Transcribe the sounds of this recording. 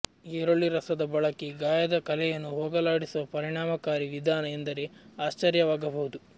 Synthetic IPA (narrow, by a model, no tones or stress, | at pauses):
eːɾoɭːiɾɐsɐd̪ɐbɐɭɐkiɡaːjɐd̪ɐkɐlɛjɐnːuɦoːɡɐlaːɽisuʋɐpɐɾiɳaːmɐkaːɾiʋid̪ʱaːnɐend̪ɐɾeaːst͡ʃɐɾjɐʋaːɡɐbɐɦud̪u